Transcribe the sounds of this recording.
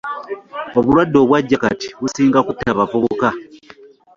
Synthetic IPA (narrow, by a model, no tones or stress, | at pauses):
oβulwadːo̞ːβwaɟːakati̥βusiːŋɡakutːaβafoβoka